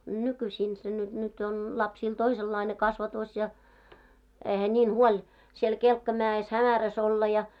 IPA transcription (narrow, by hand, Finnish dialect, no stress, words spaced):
nykysʲiːn se ny nyt on lɑpsiːl toiselːɑine kɑsʋɑtoˑs jɑ eihæ nʲiːn huolʲ siel kelkːɑmæes hæmæræs olːɑ jɑ